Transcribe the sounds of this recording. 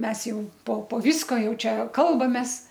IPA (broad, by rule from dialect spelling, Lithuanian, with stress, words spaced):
ˈmʲɛs ˈjɛʊ poː poː ˈʋʲiːskoː ˈjɛʊ ˈt͡ʃʲɛ ˈkɐlˠbɐmʲeːs